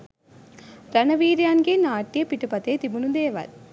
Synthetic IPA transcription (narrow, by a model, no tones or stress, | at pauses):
ɾɐnɐʋiːɾjaːnɡenaːʈːijɐpɪʈːɯpɐt̪ːeːt̪imɯɳɯnd̪eːʋɐ̰ɾ